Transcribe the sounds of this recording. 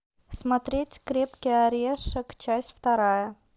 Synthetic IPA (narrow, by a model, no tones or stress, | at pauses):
smat̪ɾʲetʲkɾʲepkʲəjaɾʲeʂəkt͡ɕasʲtʲft̪ɐɾɑjə